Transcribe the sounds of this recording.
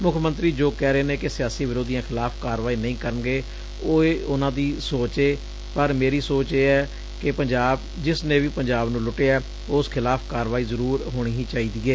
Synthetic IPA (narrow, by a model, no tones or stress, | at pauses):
mʊkʰmə̃nt̪ɾiːd͡ʒoːkɛːɾeːneːkɪsɪjaːsiːʋɪɾoːd̪ijãːkʰɪlaːpʰkaːɾʋaːiːnəĩːkəɾənɡeː | oːeʊnãːd̪iːsoːt͡ʃeː | pəɾmeːɾiːsoːt͡ʃeːɛː | kɪpəɲd͡ʒaːb | d͡ʒɪsnẽːʋiːpəɲd͡ʒaːbnũːlʊʈeːɛː | ʊːskʰɪlaːpʰkaːɾʋaːiːzəɾuːɾɦoːɽ̃iːɦiːt͡ʃaːiːd̪iːeː